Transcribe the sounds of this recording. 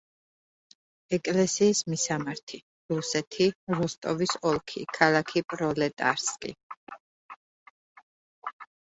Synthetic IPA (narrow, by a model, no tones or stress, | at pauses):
ɛkʼlɛsiːsmisamaɾt̪ʰi | ɾusɛt̪ʰiɾust̪ʼɔvisɔlˠkʰḭkʰalˠakʰipʼɾɔlɛt̪ʼa̰ɾskʼḭ